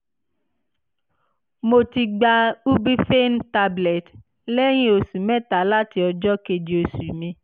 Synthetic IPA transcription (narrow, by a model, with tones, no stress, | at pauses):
mo˧ti˧ɡ͡ba˧u˦bi˦fe˦n˦ta˧blɛ˨t | lɛ˦j̃ĩ˦o˧su˨mɛ̃˦ta˨˦la˦ti˧˦ɔ˧d͡ʒɔ˦ke˧d͡ʒi˨o˨su˨mĩ˧